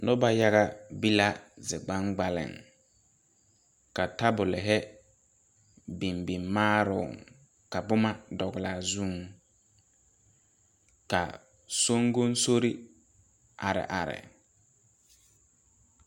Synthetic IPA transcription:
nʊ˦ba˦ja˦ɣa˦bi˦la˦zɪ˨ɡ͡ba˦ŋɡ͡ba˨lɪ̰˨ŋ | ka˨ta˦bʊ˨lɪ˨ɦɛ˦ | bi˨mbi˨mmaː˦ɾʊ̰˨ŋ | ka˨bʊ˦ma˦dɔ˨ɣɪ˨la˨zu˦˨ŋ | ka˨ | so˦ŋɡo˦n˦so˦ɾi˦ | ʔa˨ɾɪ̰˨ʔa˨ɾɪ̰˨

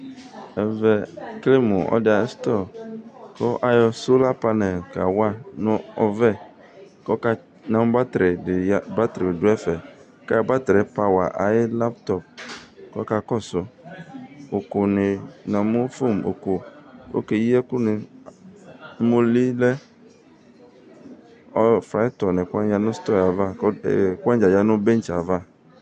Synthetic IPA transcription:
ɛ˨vɛ˨kle˦mũ˨ɔ̰˦dɪ˦˨a˨˦st̪ɔ˦˨kɔ˦ʔa˦jɔ˨so˦la˦pa˦nɛ˨lka̰˨wa˦nʊ̃˦ɔ˨vɛ˦ | kɔ˦ka˦ | nã˨m˦ba˦t̪ɾɪ˨dɪ˨jba˦t̪ɾi˨dʊ˦ɛ˦fɛ˨˦ | ka˦˨˦ba˦t̪ɾɛ˨pa˨wa̰˨ʔa˨jɪ˦la˦pt̪ɔ˦p̚kɔ˦ka˨kɔ˦sʊ˨ | o˨kʊ˨nɪ˨nã˨mʊ˦fo˦˨mo̰˨ku˨o̰˦ke˨ji˦ɛ˦kʊ˦nɪ˨˦ | mo˦li˦lɛ˦ | ɔ˦fɾa˨˦ɪ˦tɔ˨nɛ˨kʷa˦n˦a˦nʊ̃˦st̪ɔ˦˨a˨va̰˦˨kʷã˦d͡ʒa˨ja˦nʊ̃˦be˦n˦t͡ʃa˨va˦˨

